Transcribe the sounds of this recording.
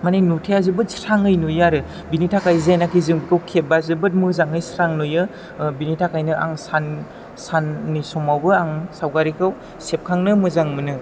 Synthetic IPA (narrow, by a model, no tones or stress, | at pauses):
manajnutʰeazɯbɯt̚stʰaŋɯjnujaɾɯ | binitʰakajzenakʰizɯŋbkʰɯwkʰebazɯbɯt̚mɯzaŋɯjsɾaŋnojɯ | binitʰakʰajnɯʔa̰ŋsan | sanːisɔmawbɯaŋsawɡaɾikʰaw | sep̚kʰaŋnɯmɯzaŋmɯnɯ